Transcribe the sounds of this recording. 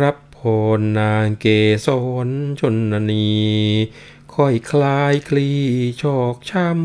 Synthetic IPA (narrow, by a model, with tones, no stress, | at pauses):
ɾa˦˥pʰːo˨˧nːaː˧ŋkeː˧˩sɔː˨˦nt͡ɕʰo˧˩nːa˧niː˧ | kʰɔ˧˩jkʰlaː˧jkʰliː˧˩t͡ɕʰɔː˧˩k̚t͡ɕʰa˥˩m